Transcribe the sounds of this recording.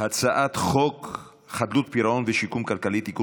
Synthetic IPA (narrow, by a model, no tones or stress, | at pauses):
hat͡saʔat̪χok | χad̪lut̪̚piɾaʔonveʃikumkalkalit̪hiku